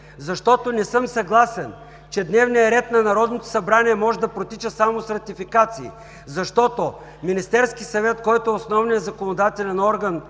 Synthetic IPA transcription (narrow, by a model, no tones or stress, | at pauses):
zɐʃt̪ɔt̪onɛsɤmsɐɡlˠasɛn | t͡ʃɛd̪nɛvnijɐɾɛt̪nɐnɐɾɔd̪not̪o̥sɐbɾaniɛmɔʒɛd̪ɐpɾot̪it͡ʃəsamosɾɐt̪ifikat̪sḭː | zɐʃt̪ɔt̪o | minist̪ɛɾskisɐvɛt̪kɔjt̪oɛosnɔvnijəɐzɐkonod̪at̪ɛlʲɛnɔɾɡɐn